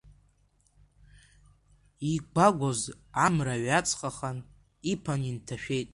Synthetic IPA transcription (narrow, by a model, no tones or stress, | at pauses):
iɡʷaɡʷoz | amraɥat͡sʰʼχʼaχan | ipʰanintʰaʃᶣe̞jtʼ